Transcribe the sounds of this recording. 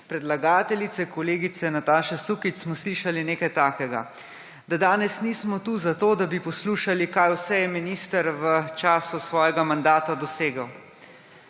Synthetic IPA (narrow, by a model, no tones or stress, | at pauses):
pɾɛd̪laɡaːt̪ɛlit̪sɛkɔleːɡit̪sɛnat̪aːʃɛsukit͡ʃsmɔsliːʃalineːkajt̪aːkɛɡa̰ | d̪ad̪aːnɛsnismɔt̪uzat̪oːd̪abipɔsluːʃalikajwsɛjɛminiːst̪əɾʋət͡ʃaːsusʋɔːjɛɡamand̪aːt̪ad̪ɔseːɡəw